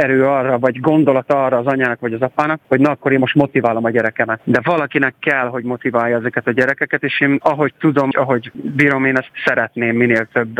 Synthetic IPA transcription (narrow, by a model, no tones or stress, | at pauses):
ɛɾøːɒrːɒvɒɟɡo̞nd̪o̞lɒt̪ɒrɒːzɒɲaːnɒkvɒɟɒzɒpaːnɒk̚ho̞ɟnɒɒkːo̞ɾeːmːo̞ʃt̪mo̞t̪ivaːlo̞mɒɟɛɾɛkɛmɛt̪d̪ɛvɒlɒkinɛkːɛlɦo̞ɟmo̞t̪ivaːjːɒɛzɛkɛt̪ɒɟɛɾɛkɛkɛt̪eːʃeːnɒɦo̞ct̪ud̪o̞mɒɦo̞ɟbiːɾo̞meːnɛst̪sɛɾɛt̪neːmːineːlt̪øbː